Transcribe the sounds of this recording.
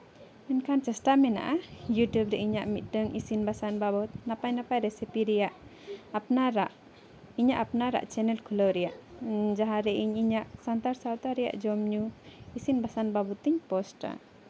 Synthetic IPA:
ɛnkʰant͡ʃəsʈamɛna̰ʔajuʈjubɾɛʔiɲaʔmit̪̚ɖəŋisinbasanbabɔt̪̚napajnapajɾɛsipiɾɛjaʔ | pnaɾaʔ | iɲaʔapnaɾa̰ʔt͡ʃɛnɛlkʰuləwɾɛjaʔd͡ʒaɦaɾɛʔiɲiɲaʔsant̪aɾsawt̪aɾɛja̰ʔd͡ʒɔmɲuisinbasanbabɔt̪iɲpɔsʈa̰

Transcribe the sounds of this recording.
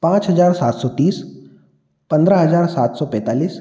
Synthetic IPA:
pãːt͡ʃɦɐzaːɾsaːt̪sɔːt̪iːs | pɐ̃nd̪ɾəɦɐzaːɾsaːt̪sɔːpɛ̃ːt̪aːliːs

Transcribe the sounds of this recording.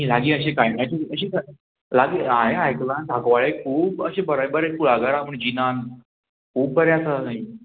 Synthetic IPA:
ɦĩlaɡiːəɕẽkajnajt͡ɕiəɕiːka | laɡiaɦeajklant̪ʰakʋaɭekʰuːbəɕẽbəɾaibəɾekuɭaɡaɾaməɳd͡ʑinan | kʰuːb̚bəɾjasanaɦi

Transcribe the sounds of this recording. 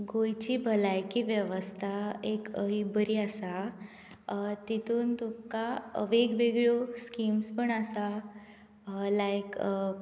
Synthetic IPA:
ɡojt͡ɕibʱəlajkiːʋjəʋəst̪ʰaekəɦibəɾiːasa | t̪it̪uːnt̪ukaə̰ʋeɡbeɡɭoskiːmspəɳasa | lajk

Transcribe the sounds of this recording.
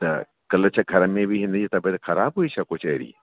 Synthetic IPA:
t̪ɐ̰ | kɐlt͡ʃʰɐɡʱɐɾəmẽbʱiɦɪ̃nd̪d͡ʒit̪ɐbet̪xɐɾaːbɦuit͡ʃʰɐkʊt͡ʃʰɐːɾḭː

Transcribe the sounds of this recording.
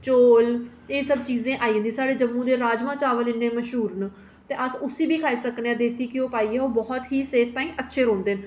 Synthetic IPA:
t͡ʃoːl | eːsəb̚t͡ʃiːzẽːʔaːiːɦə̃nd̪ĩːsaːɽeːd͡ʒəmːũːd̪eːɾaːd͡ʒmãːt͡ʃaːʋəlɪnːẽːməʃɦuːɾn | t̪eːʔəsʊsiːbʱiːkʰaːiːsəkneãːd̪eːsiːkɪoːpaːiːɛoːbɔːt̪ɦiːseːɾt̪ãːĩːʔətːʃʰeːɾõːnd̪eːn

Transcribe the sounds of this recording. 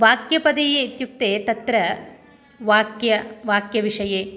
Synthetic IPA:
ʋaːkjɐpɐd̪ɐjeit̪juk̚t̪eːt̪ɐt̪ɾɐ | ʋaːkjɐʋaːkjɐʋiʂɐjeː

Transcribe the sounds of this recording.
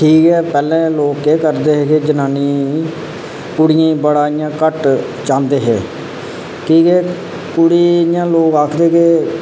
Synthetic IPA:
ʈʰiːkɦɛːpɛːlɛ̃ːloːkeːkəɾd̪eːɦeːked͡ʒənaːniː | kʊɽɪjẽːbəɽaːɪjãːkəʈ | t͡ʃãːnd̪eːɦḛː | kiːkɛː | kʊɽiːjãːloːkaːkʰd̪eːkeː

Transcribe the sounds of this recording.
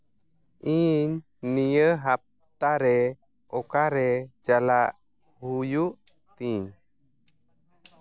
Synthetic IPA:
ʔiɲ | nijəɦap̚ | t̪aɾɛ | ɔkaɾɛd͡ʒalaʔ | hujuʔ | t̪iɲ

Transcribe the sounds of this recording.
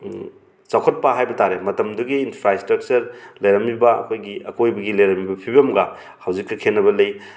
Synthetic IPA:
t͡ʃawkʰɐt̚paɦajbɐtaɾemɐtɐmduɡiːnpʰɾaistɾɐk̚t͡ʃɐɾlɐjɾɐmibɐɐ̰kʰojɡiɐkojbɐɡilɐjɾɐmibɐpʰibɐmɡɐ | hawzikːɐkʰenːɐbɐlɐj

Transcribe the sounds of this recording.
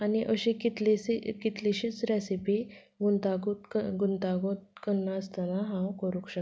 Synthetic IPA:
aniʔəɕẽkit̪lesikit̪leɕiːt͡sɾesipi | ɡunt̪aɡut̪kəɡunt̪aɡot̪̚kənːaəst̪anaɦãwkəɾũkɕə

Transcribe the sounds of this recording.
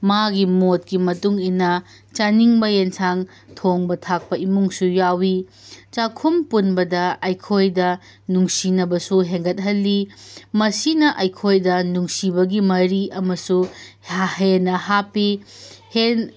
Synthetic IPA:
maɡimot̚kimɐtuŋinːɐ | t͡ʃaniŋbɐjensʰaŋ | tʰoŋbɐtʰak̚pɐimuŋsujawi | t͡ʃakʰumpunbɐdɐɐjkʰojdɐ | nuŋsinɐbɐsuɦeŋɡɐt̚ɦɐlːimɐsinɐʔɐjkʰojdɐnuŋsibɐɡimɐɾiɐmɐsu | henɐhapihen

